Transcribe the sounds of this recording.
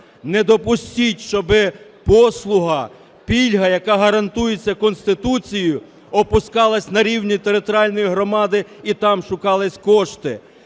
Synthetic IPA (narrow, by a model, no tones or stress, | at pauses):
nɛd̪ɔpʊsʲtʲitʲʃt͡ʃɔbɪpɔslˠʊɦɐ | pʲilʲɦɐjɐkɑɦɐɾɐnt̪ujet͡sʲːɐkɔnst̪ɪt̪ut͡sʲijʊ | ɔpʊskɑlˠɐsʲnɐɾʲiwnʲit̪eɾɪt̪ɾɑlʲnɔjiɦɾɔmɑd̪ɪit̪ɑmʃʊkɑlˠɪsʲkɔʃt̪ɪ